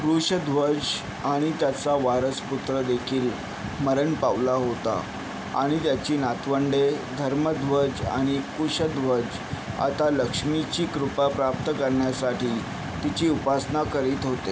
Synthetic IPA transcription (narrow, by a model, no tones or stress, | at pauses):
pɾuɕəd̪ʱʋəd͡ʑ | aɽ̃it̪jat͡saʋaɾəsput̪ɾəd̪ekʰiːl | məɾəɳpaʋlaɦot̪a̰ | a̰ɽ̃it̪jat͡ɕiːnat̪ʰʋəɳɖed̪ʱəɾməd̪ʋəd͡ʑa̰ɽ̃ikuɕəd̪ʱʋəd͡ʑ | a̰t̪aləkʂmit͡ɕiːkɾupapɾap̚t̪əkəɾɳjasaʈʰiː | t̪it͡ɕiːupasnakəɾiːt̪ɦot̪e